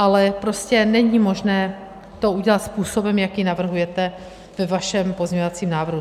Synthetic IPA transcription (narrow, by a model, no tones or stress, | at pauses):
ʔalɛpɾo̞scɛnɛɲiːmo̞ʒnɛː | t̪o̞ʔuɟɛlat̪spuːso̞bɛmjakjinavr̩ɦujɛt̪ɛ | vɛvaʃɛmpo̞zɲɛɲovat͡siːmnaːvr̩ɦu